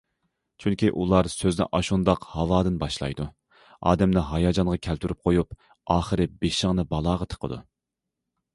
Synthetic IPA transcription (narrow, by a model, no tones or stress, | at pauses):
t͡ʃʰyŋkʲiʔulˠɑɾsøznɪ̰ʔɑʃund̪ɑqhɑwɑːd̪ɨnbɑʃlˠɑ̰jd̪u | ɑ̰ːd̪ɛmnɪɦɑjɑːd͡ʒɑnʁɑkʲʰælt̪ʰyɾyp̚qʰojup | ɑːχəɾɨbeʃəŋnɨbɑlˠɑːʁɑt̪ʰə̥qʰə̰d̪ṵ